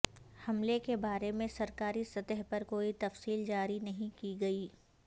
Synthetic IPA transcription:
hɐmlekebaːɾemẽsɐɾkaːɾisɐt̪əɦpɐɾkoːit̪ɐfsiːld͡ʒaːɾinɐɦĩkiɡɐiː

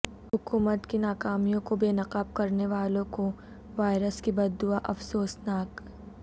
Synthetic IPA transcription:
hʊkuːmət̪kinaːkaːmijõkobeːnɐqaːb̚kɐɾneʋaːlõko | ʋaːɪɾəskibɐd̪ːuaʔɐfsoːsnaːk

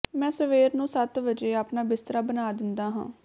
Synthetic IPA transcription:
mɛ̃ːsəʋeːɾnũːsət̪ʋəd͡ʒeːapnaːbɪst̪əɾaːbənaːd̪ɪnd̪aːɦã̰ː

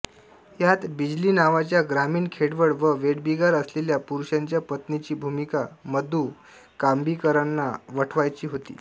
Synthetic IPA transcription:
jat̪bid͡ʑliːnaʋat͡ɕjaɡɾamiːɳkʰeɽʋəɽʋəʋeɽbiɡaɾəsleljapuɾuɕaɲt͡ɕjapət̪nit͡ɕiːbʱumikaməd̪uː | kambʱiːkəɾanːaʋəʈʰʋajt͡ɕiːɦot̪ḭː

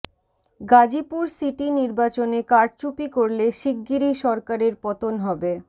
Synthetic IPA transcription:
ɡad͡ʑipuɾsiʈiniɾbat͡ɕonekaɾt͡ɕupikoɾleʃiɡːiɾiʃɔɾkaɾeɾpɔt̪onɦɔbe

